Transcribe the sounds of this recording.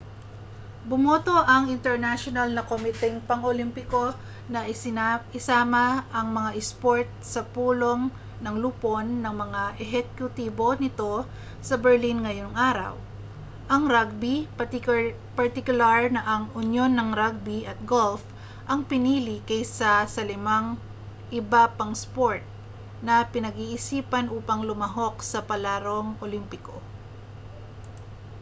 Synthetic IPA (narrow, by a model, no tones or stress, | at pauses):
bʊmoːt̪o̞ʔɐŋʔɪnt̪ɛɹnaʃonɐlnɐkomɪt̪ɛŋpɐŋolimpɪko̞ | nɐʔɪsɪnaɪsaːmɐʔɐŋmɐŋaʔɪspo̞ɹt̪̚sɐpuːlo̞ŋ | nɐŋluːponːɐŋmɐŋaʔɛɦɛkjʊt̪iːbo̞nɪt̪o̞ | sɐbɛɹlinŋɐjo̞ŋʔaːɾɐ̰w | ʔɐŋɾaɡ̚bi | pɐɹt̪ɪkʊlaɹnɐʔɐŋʊnjo̞nːɐŋɾaɡ̚biɐt̪̚ɡolf | ʔɐŋpɪniːlɪkɐjsɐsɐlɪmaŋ | ʔɪbapɐŋspo̞ɹt̪̚ | nɐpɪnɐɡiːʔɪsiːpɐnʔuːpɐŋlʊmɐɦo̞k̚sɐpɐlaːɾo̞ŋolimpɪko̞̰